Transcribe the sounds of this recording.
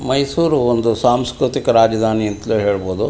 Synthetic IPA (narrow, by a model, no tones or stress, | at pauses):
mɐjsuːɾuond̪usaːmskɾut̪ikɐɾaːd͡ʒɐd̪ʱaːniɐnt̪ɐluɦeːɭboːd̪u